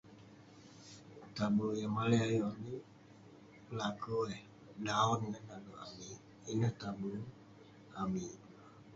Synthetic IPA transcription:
t̪abulojamalɛajɔni | lakoɛ | naɔnənadoami | inət̪abulo | ami

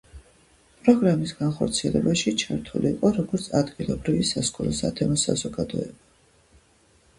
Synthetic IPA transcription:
pʼɾɔɡɾamisɡ̥anχɔɾt̪sʰiɛlɛbaʃit͡ʃʰaɾt̪ʰulʔiːqʼɔɾɔɡɔɾt̪sʰad̪ɡilˠɔbɾivisaskʼɔɾɔsa̰t̪ʰɛmɔsa̰zɔɡad̪ɔɛb̥a

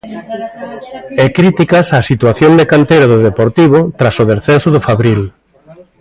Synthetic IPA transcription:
ɛkɾit̪ikɐsasit̪waθjond̪ekant̪ejɾaðʊðepoɾt̪iβ̞ʊt̪ɾasʊðesθensʊðʊfaβɾil

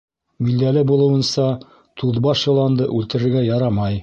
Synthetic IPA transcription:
mild̪ælɘbulˠɤ̆wɤ̆nsɑ | t̪uðbɑʃjɤ̆lˠɑnd̪ɤʔʉlt̪ɘ̆ɾɘ̆ɾɡæjɑɾɑmɑj

